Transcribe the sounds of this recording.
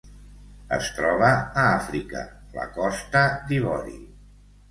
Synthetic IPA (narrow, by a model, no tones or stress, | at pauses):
ə̰st̪ɾɔβ̞əːafɾikə̰ | la̰kɔst̪əd̪iβɔɾḭ